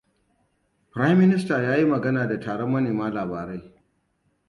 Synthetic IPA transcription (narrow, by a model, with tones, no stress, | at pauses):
pɾa˦jmːɪ˦nɪ˦staː˨jaː˦ji˦mɐ˨ɡɐ˦naː˨da˨taː˨ɽɔ˦mːɐ˦neː˨maː˦laː˨baː˨ɾe˦j